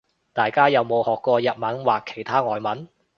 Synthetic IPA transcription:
t̪aː˨jkaː˥jɐ˨wmo˨˧whɔː˨kːʷɔː˧jɐ˨t̚mɐ˨˥nwaː˨kʰːe̥˨˩jt̪ʰaː˥ŋɔː˨jmɐ˨˥n

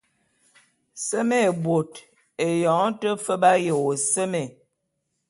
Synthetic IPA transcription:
sə˦me˦˨bwo˨t | e˨jɔ˨˦tə˦fə˦ba˦je˨wo˨sə˦me˨

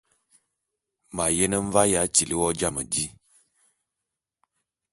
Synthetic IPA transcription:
ma˨je˦nə˦ɱ̩˦va˦ja˨˦t͡ʃi˨li˦wɔ˦d͡ʒa˦˨mə̰˨d͡ʒi˦

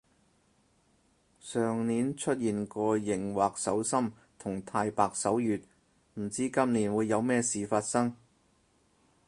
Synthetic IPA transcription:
sœː˨ŋniː˨˧˥nt͡ʃʰɵ˥t̚jiː˨nkɔː˧jɪ˨˩ŋwaː˨k̚sɐ˨˥wsɐ˥m | t̪ʰʊ˨˩ŋt̪ʰaː˧jpaː˨˧k̚sɐ˨˥wjyː˨t̚ | m̩˨˩t͡siː˥kɐ˥mniː˨˩nwuː˨˧jːɐ˨˧wmɛː˥siː˨faː˧t̚sɐ˥ŋ

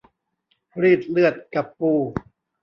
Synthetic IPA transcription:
ɾiː˥˩t̪̚lɯ˥˩ət̪̚ka˨˩pːuː˧˩

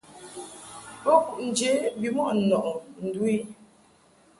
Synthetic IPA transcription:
pɔ˦ku˨ʔn̩˨d͡ʒe˨˦bi˨mwɔ˦ʔ̩˨nɔ˨ʔɔ˨n̩˨du˦i˦

